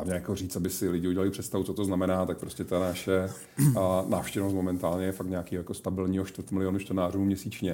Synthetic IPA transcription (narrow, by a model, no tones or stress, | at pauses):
amɲɛjakoriːt͡st̪abɪsɪlɪɟɪuɟɛlalɪpr̥ɛt̪st̪avut͡sot̪oznamɛnaːt̪ak̚pɾo̞scɛt̪anaʃɛ | naːfʃcɛvnos̬t̪momɛnt̪aːlɲɛjɛfakt̪ɲɛakiːɦojako̞st̪abɪlɲiːɦoʃt̪vəɾt̪mɪlɪonut͡ʃt̪ɛnaːruːmɲɛsiːt͡ʃɲɛ